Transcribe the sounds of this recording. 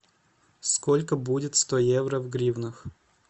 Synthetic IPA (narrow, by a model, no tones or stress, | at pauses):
skolʲkəbudʲɪt̪st̪ojevɾəvɡɾʲivnɨx